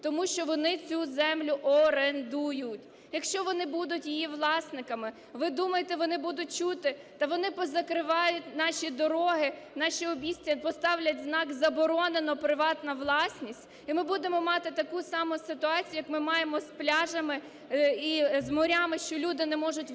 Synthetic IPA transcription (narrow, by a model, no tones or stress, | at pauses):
t̪ɔmuʃt͡ʃɔʋɔnɪt͡sʲuzɛmlʲʊʔɔɾend̪ujʊtʲ | jɐkʃt͡ʃɔʋɔnɪbud̪ʊtʲjijiʋlˠɑsnɪkɐmɪ | ʋɪd̪umɐjet̪ɛʋɔnɪbud̪ʊt̚ʲt͡ʃut̪ɪt̪ɐʋɔnɪpɔzɐkɾɪʋɑjʊtʲnɑʃʲid̪ɔɾɔɦɪ | nɑʃʲiɔbʲisʲtʲɐpɔst̪ɑwlʲɐtʲznɑkzɐbɔɾɔnenɔpɾɪʋɑt̪nɐʋlˠɑsʲnʲisʲtʲ | imɪbud̪emɔmɑt̪ɪt̪ɐkusɑmɔsɪt̪ʊɑt͡sʲijʊjɐkmɪmɑjemɔsplʲɑʒɐmɪ | izmɔɾʲamɪʃt͡ʃɔlʲud̪ɪnɛmɔʒʊtʲ